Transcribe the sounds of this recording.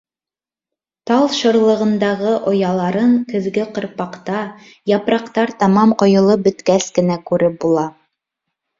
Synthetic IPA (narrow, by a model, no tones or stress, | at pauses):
t̪ɑlˠʃɤ̆ɾlˠɤ̆ʁɤ̆nd̪ɑʁɤʔŏjɑlˠɑɾɤɴkɘ̆ðɡɘqɤ̆ɾpɑqt̪ɑ | jɑpɾɑqt̪ɑɾt̪ɑmɑmqŏjɤ̆lˠɤp̚bɵ̆t̪kæskɘ̆nækʉɾɘp̚bulˠɑ